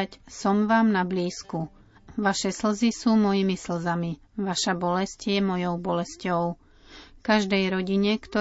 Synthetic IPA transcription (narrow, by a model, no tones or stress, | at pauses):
csɔmʋaːmnabliːsku | ʋaʃɛsl̩zisuːmɔjimisl̩zami | ʋaʃabɔlɛscjɛmɔjɔʊbɔlɛscɔʊ | kaʒd̪ɛjɾɔɟiɲɛkt̪ɔ